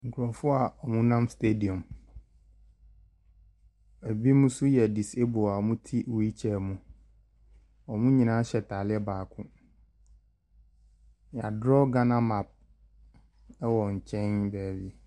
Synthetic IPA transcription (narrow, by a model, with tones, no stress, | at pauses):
ŋ̩˨kʰʊ˨ɾɔ˨fʊ˦a˨ɔ˨mʊ̃˦nã˦mste˦di˨ɔ̃˨m | æ˨bi˦mʊ̃˦sʊ˦jɛ˨di˨se˦bʊ˨a˨ɔ˨mʊ̃˦tʰi˦wu˨˦i˦t͡ɕʰɛ˨mʊ̃˨ | ɔ˨mʊ̃˦ɲĩ˨nã˦ɕɛ˨tʰaː˨lɪ˦ɛ˦baː˨kʰʊ̃˦˨ | a˨dɾɔ˦ɡã˦nã˦ma˨p̚ | ɛ˦wɔ˨ɲ̩˨t͡ɕʰɛ̃˦nbɛː˨wi˨